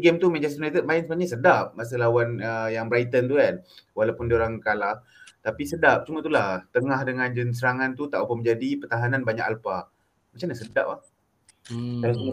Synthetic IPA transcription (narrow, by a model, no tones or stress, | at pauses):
ɡɛmt̪umɛ̃d͡ʒast̪unajt̪ət̪̚mainsəmaɲasədap̚mas̬əlawanəjaŋbɾajt̪ənt̪ukanwalawpundioɾaŋkalah | t̪apisədap̚t͡ʃumət̪ulaht̪əŋahdəŋãnd͡ʒəns̬əɾaŋãnt̪ut̪aʔupəməɲd͡ʒadipərt̪aɦananbaɲa̰kalpa | mat͡ʃamnɲasəda̰p̚lah | alasu